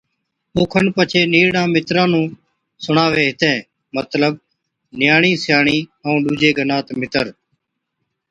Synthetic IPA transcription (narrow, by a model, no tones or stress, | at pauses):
ʊːkʰənpət͡ʃʰeːniːɽãːmɪt̪ɾãːnũː | sʊɳaːʋeːɦɪt̪ẽː | mət̪ləb̚ | nɪjaːɳ̃ĩːsɪjaːɳ̃ĩːəũːɗuːd͡ʒeːɡənaːt̪mɪt̪əɾ